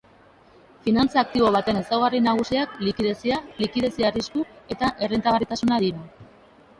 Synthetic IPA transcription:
finant͡saːk̚t̪iβoβ̞at̪e̞ne̞sawɣ̞arinaɣ̞usiaklikiðe̞sialikiðe̞siariskue̞t̪aʔe̞rint̪aɣarit̪asunaðiɾa

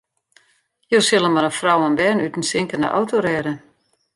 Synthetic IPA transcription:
joːsɪlˠəmaɾəfrawənbɛnytn̩sɪŋkəna̰ʔɔ̰wtoɾɛːdə

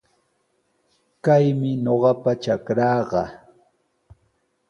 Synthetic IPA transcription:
kajmɪɲoɢɑpat͡ʃakɾɑːɢɑ̰

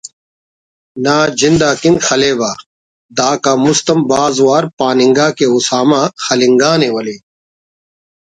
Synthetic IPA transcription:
naːd͡ʑind̪aːkinxɐleːbaː | d̪aːkaːmust̪ɐmbaːzwaːɾpaːnĩŋɡaːkeusaːmãːxɐliŋɡaːneːwɐleː

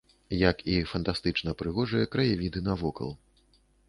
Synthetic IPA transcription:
jɐkifɐnt̪ast̪ɨt͡ʂnɐpɾɨɣɔʐɨjɐkɾɐjavʲid̪ɨnɐvɔkɐ̰lˠ

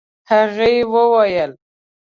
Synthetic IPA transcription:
haɣəjewəwajəl

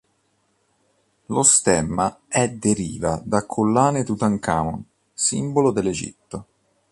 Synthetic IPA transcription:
lost̪ɛmːaɛd̪eɾiːvad̪akʰːolːaːnet̪ut̪aŋka̰ːmo̰n | sḭmbolod̪elːed͡ʒḭt̪ːo

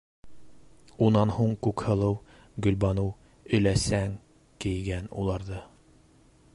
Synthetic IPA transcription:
unɑnhuɴkʉkhɤ̆lˠɤw | ɡɵ̆lbɑnɤw | ɵ̆jlæsæŋ | kɘ̆jɡænṵlˠɑɾðɤ

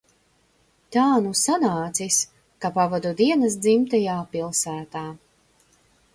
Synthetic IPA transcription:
t̪aːnusanaːt̪sis | kapavad̪ud̪iɛnɐs̬d̪zimt̪ajaːpilˠsæːt̪aː

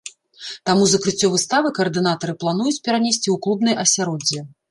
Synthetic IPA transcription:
t̪amuzɐkɾɨt͡sʲːɔvɨst̪avɨkɐːrd̪ɨnat̪ɐɾɨplˠan̪ujut͡sʲpʲɛɾanʲesʲt͡sʲiuwklˠubn̪ɐjʔɐsʲaɾɔd͡zʲːɛ

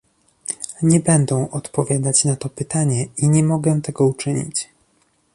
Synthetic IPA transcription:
ɲɛbɛnd̪ɛ̃ʔɔt̪pɔvʲjad̪at͡ɕnat̪ɔpɘt̪aɲɛiɲɛmɔɡɛt̪ɛɡɔut͡ʂɘɲḭt͡ɕ

